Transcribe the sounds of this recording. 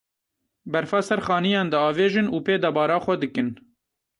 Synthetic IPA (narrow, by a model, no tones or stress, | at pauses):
bɛɾfɑːsɛɾxɑːnijɑːnd̪ɨɑːveːʒɨnuːpeːd̪ɑbɑːɾɑːxʷɛd̪ɨkɨn